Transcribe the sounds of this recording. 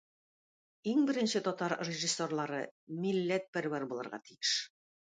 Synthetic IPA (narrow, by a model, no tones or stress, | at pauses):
iŋbɘ̆ɾɘ̆nɕɘt̪ɒt̪ɑɾrʲɪʒisːorlˠɑɾɤmilːæt̪̚pæɾwæɾbulˠɤ̆ɾʁɑ̰t̪ijɘʃ